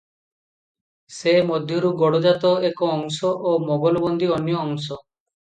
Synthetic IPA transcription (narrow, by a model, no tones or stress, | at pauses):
semɔd̪ʱjɔɾuɡɔɽod͡ʒat̪ɔekɔɔŋsɔʔomɔɡɔlɔbɔnd̪iɔnjɔːŋsɔ